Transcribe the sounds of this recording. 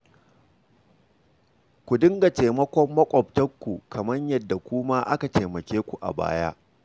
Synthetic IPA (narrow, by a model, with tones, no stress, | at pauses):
kʷu˨dɪ˦ŋɡa˨teː˨mɐ˦kʷɔ˦mːɐ˦kʷʼɔ˨p̚tɐ˦kʷːu˨kɐ˨mɐ˦ɲjɐ˦dːa˨kʷuː˦ma˦ʔa˦ka˨teː˨mɐ˨kʲeː˦kʷu˨ʔa̰˨ba̰ː˦ja̰ː˦ʔ